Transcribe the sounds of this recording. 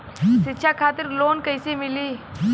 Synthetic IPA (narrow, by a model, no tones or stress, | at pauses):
ʃɪtːʃʰakʰaːt̪ɪɾloːnkəɪsemɪliː